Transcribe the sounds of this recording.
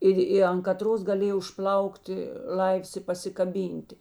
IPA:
ˈɪr ɪ ɐn kɐˈtroːs ɡɐˈlʲeːj ʊʃˈplˠɐʊktʲɪ ˈlˠɐɪws ɪ pɐsʲɪkɐˈbʲiːnʲtʲɪ

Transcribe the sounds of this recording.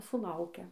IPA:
sʊˈlˠɐʊkʲɛ

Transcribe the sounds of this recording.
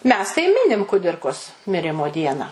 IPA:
ˈmʲɛs tɐɪ ˈmʲɪnʲɪm kʊˈdʲɪrkoːs mʲɪˈrʲɪmoː ˈdʲiɛnɑː

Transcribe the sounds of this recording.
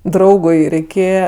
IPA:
ˈdrɐʊɡʊɪ rʲɛɪˈkʲeːjɛ

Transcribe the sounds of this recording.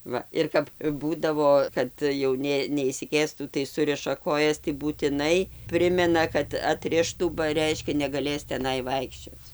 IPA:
ˈʋɐ ɪr kɐp ˈbuːdɐʋoː ˈkɐt jɛʊ ˈnʲeː nʲɛɪʃʲsʲɪˈkʲeːstuː tɐɪ ˈsʊrʲɪʃɐ ˈkoːjɛs tɐɪ buːtʲɪˈnɐɪ ˈpʲrʲɪmʲɛnɐ kɐt ɐtʲˈrʲɪʃtuː bɐ ˈrʲɛɪʃʲkʲɛ nʲɛɡɐˈlʲeːs tʲɛˈnɐɪ ˈʋɐɪkʃʲt͡ʃʲoːt͡s

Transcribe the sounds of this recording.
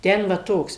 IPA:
ˈtʲɛn ʋɐ ˈtoːks

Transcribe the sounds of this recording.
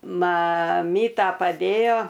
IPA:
mɐˈmʲiːtɐ pɐˈdʲeːjoː

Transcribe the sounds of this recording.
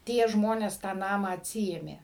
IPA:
ˈtʲiɛ ˈʒmoːnʲeːs tɑː ˈnɑːmɑː ɐtʲˈsʲɪeːmʲeː

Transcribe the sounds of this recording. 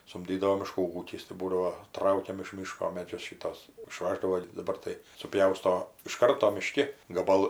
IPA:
sʊmʲˈdʲiːdɐʋoː mʲɪˈʃkuː ˈuːkʲɪs tɐɪ ˈbuːdɐʋoː ˈtrɐʊkʲɛm ɪʃ ˈmʲiːʃkoː ˈmʲæːd͡ʒʲʊs ˈʃʲiːtuɔs ɪˈʃʋɑːʒdɐʋoː dɐˈbɐr tɐɪ sʊˈpʲjɛʊstoː ɪʃ ˈkɐrtoː mʲɪˈʃʲkʲɪ ɡɐˈbɐlˠ

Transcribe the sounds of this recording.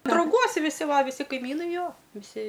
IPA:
drɐʊˈɡuɔs ʋʲɪˈsʲɪ ˈʋɐ ʋʲɪˈsʲɪ kɐɪˈmʲiːnɐɪ ˈjoː ʋʲɪˈsʲɪ

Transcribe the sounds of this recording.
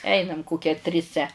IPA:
ˈɛɪnɐm ˈkoːkʲɛ tʲrʲɪˈsʲɛ

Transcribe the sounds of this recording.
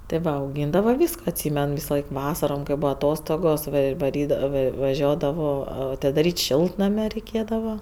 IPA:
tʲeː ˈʋɐ ɐʊˈɡʲiːndɐʋɐ ˈʋʲiːskoː ɐtʲˈsʲiːmʲɛn ˈʋʲɪsɐˌlˠɐɪk ˈʋɑːsɐroːm kɐɪ ˈbuːɐ ɐˈtoːstoːɡoːs ɪr ʋɐˈrʲiːdɐʋoː ˈʋɐ ʋɐˈʒʲuɔdɐʋoː ɐtʲɪdɐˈrʲiːtʲ ˈʃʲɪlˠtnɐmʲɛ rʲɛɪˈkʲeːdɐʋɐ

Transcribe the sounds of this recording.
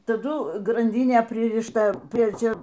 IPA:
tɐˈdʊ ɡrɐnʲˈdʲiːnʲeː pʲrʲɪrʲɪʃˈtɐ ˈpʲrʲiɛ ˈt͡ʃʲɛ

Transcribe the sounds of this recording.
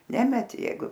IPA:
ˈnʲæːmʲɛtʲɪ ˈjɛɪɡʊ

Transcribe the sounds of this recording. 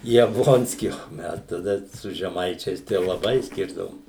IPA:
jɛbˈlˠoːnʲsʲkʲiː oː ˈmʲɛs tɐˈdɐ sʊ ʒʲɛˈmɐɪt͡ʃʲɛɪs tɐɪ jɛʊ lˠɐˈbɐɪ ˈsʲkʲɪrdɐʋoːm

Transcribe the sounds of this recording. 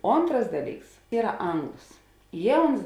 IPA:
ˈoːntrɐs ˈdɑːˌlʲiːks ˈiːrɐ ˈɐŋɡlˠoːs ˈjiɛ ˈʊns

